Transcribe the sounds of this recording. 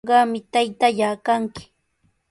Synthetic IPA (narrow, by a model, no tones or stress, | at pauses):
ɢɑmɪt̪ajt̪aʎaːkaŋkɪ̥